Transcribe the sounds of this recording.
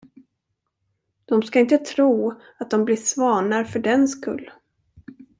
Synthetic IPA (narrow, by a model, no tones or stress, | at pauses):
d̪̥ɔmskaɪnt̪ət̪ʰɾuː | at̪̚d̪ɔmblɪʂvɑːɳaɾfœɖɛnskɵ̰lː